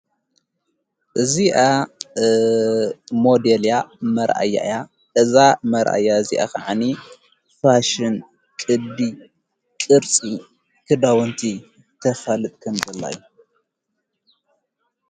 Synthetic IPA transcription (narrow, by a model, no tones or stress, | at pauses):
ʔɨziʔa | mo̞d̪eljamɐɾʔa̰jːa̰ʔja | ʔɨzamɐɾʔa̰jaɨziʔa̰kʰaʕani | faʃɨn | kʼɨd̪i | kʼɨɾt͡sʼi | kʰɨd̪awɔnt̪ʰi | t̪ʰɐfɐlɨt̪ʼkʰɐmzɐlːa̰jːu